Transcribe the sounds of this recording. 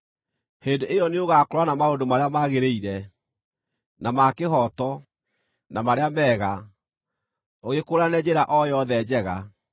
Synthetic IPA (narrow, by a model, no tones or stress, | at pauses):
heːndeʔejɔneoɣakoɾwanamaondomaɾeamaɣeɾeiɾɛ | namakeɦɔtɔ | namaɾeamɛːɣa | oɣekoːɾanɛd͡ʑeɾaʔɔjɔðɛd͡ʑɛɣa